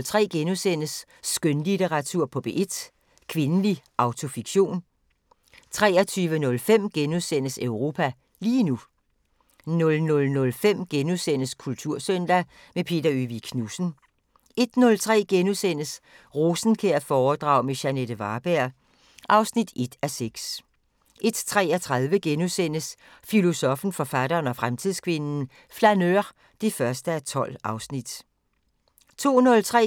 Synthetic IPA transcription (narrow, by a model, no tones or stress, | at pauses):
lt͡sʰʁɛ̰ːɡ̥enusen̰əsː | ɡ̥ønlit͡seʁɑt͡sʰuɐ̰pʰɒ̽b̥e̝ʔe̝d̥ | kʰʋe̝nəliʔɑ̈ʊt͡sʰo̝fiɡ̥ɕo̝̰ːn | t͡sʰʁɛ̰ːɐt͡sʰyːʋənɔ̽lfem̰ɡ̥enuðˠsen̰əsøʊʁo̝ːpʰæ | liːnu | nɔ̽lnɔ̽lnɔ̽lfem̰ɡ̥enusen̰əskʰult͡sʰuɐ̰sœnd̥æ | mepʰe̝̰ːd̥ɐyʋikʰnusn̩ | e̝d̥nɔ̽lt͡sʰʁɛ̰ːɡ̥enusen̰əs | ʁo̝ːsn̩kʰeɐfɒːd̥ʁɑ̰̈ʊmeɕæned̥əʋɑ̈ːb̥æɐ̰ | ʔɑ̈ʊsnid̥e̝d̥æseɡ̥s | ʔe̝d̥t͡sʰʁɛ̰ːɒt͡sʰʁaðˠʋəɡ̥enusen̰əsfilo̝sɒ̽fn̩fɒ̽fæd̥ɐːnɒfʁamt͡sʰiðˠskʰʋe̝nn̩ | flænøʁ | d̥efɶɐsd̥əæt͡sʰɒ̽l̰ɑ̈ʊsnid̥ | t͡sʰo̝̰ːnɔ̽lt͡sʰʁɛ̰